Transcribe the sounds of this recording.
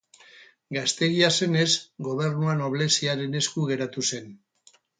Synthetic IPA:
ɡast̪e̞ɣiase̞ne̞zɡo̞β̞e̞ɾnuano̞β̞le̞siaɾe̞ne̞skuɣe̞ɾat̪use̞n

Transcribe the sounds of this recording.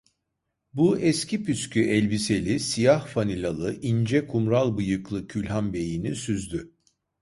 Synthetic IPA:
buɛscʰipyscʰyʔɛlʲbise̞lʲisijahfanilʲalˠɯʔind͡ʒɛkʰumɾalˠbɯjɯklˠɯcʰylʲɦanbe̞jinisyzd̪y

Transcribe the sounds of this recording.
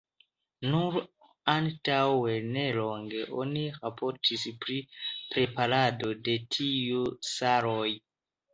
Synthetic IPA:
nuɾ | antawe̞ne̞lo̞ŋɡe̞ʔo̞̰niɾapʰoɾtʰispɾipɾe̞paɾado̞de̞tʰijusaɾoj

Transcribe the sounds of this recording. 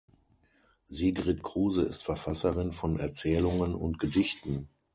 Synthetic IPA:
ziːɡʁɪtkʁ̥uːzəɪ̰stfɛɐfasɐʁɪnfɔnɛɐt͡sɛːlʊŋənʊ̰ntɡ̥ədɪçtn̩

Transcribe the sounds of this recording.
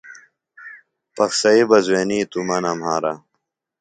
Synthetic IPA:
pɐxsɐibɐzweːniːt̪umɐnɐmhaːɾɐ̰

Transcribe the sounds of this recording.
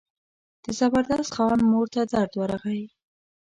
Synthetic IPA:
d̪̥əzabaɾd̪ast̪xɑnmoɾt̪ad̪aɾd̪waɾaɣaji

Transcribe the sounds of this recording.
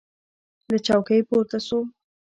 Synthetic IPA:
d̪ət͡ʃawkəjpoɾt̪asu

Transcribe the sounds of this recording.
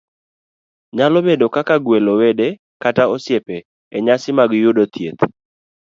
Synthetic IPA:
ɲalɔmedokakaɡwelowede | kataɔsjepɛː | ɲasɪmaɡjʊdot̪ʰjet̪

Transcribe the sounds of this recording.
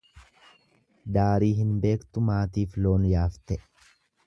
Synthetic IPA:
d̪aːɾiːɦɪnbe̞ːkt̪ʊmaːt̪iːflo̞ːnjaːft̪ɛ

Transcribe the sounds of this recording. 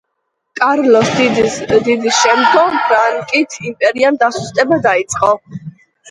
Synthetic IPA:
kʼaɾlɔsd̪id̪id̪isʃɛmd̪ɡɔɾaŋkʼit̪ʰimpʼɛɾiand̪asust̪ʼɛbad̪ait̪sʼqʼɔ

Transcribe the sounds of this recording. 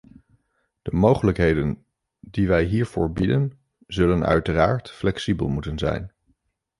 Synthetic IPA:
d̥əmowχələkɦejdən | diʋɛjɦiːɹv̥ʊːɹbidən | zɵlənœ̰ɥtəraːɹtflɛksibə̰lˠmutənzɛ̰jn

